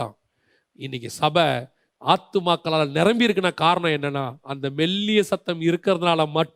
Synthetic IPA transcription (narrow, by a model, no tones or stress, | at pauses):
ã̰ː | ɪnːɪk̬ʲːɯsɐbɐ | aːt̪ːɯmaːkːɐɭaːlɐnɪɾɐmbɪjɪɾɯkːɯnaːkaːɾɐɳɐ̃ɛnːɐnːaːɐnd̪ɐmɛlːɪjɐsɐt̪ːɐmɪɾɯkːɪɾɐðɯnaːlɐmɐʈː